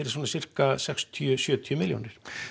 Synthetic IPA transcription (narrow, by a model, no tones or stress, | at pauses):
ɾɪs̬uːnasir̥kasɛkst̪ʰiʏsjœːt̪ʰjʏmɪljo̰nɪɾ̥